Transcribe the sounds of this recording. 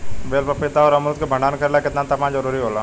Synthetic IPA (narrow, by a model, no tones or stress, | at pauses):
ʋeːlpəpɪt̪aɔɾɐmlət̪̚kebʱə̃ɳɖaːnkəɾelakɪt̪nat̪ɐmãːd͡ʒəɾuːɾiɦoːlaː